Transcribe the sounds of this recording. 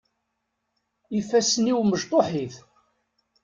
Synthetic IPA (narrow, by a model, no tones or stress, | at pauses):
ifæsniwməʒt̪ˤoħiθ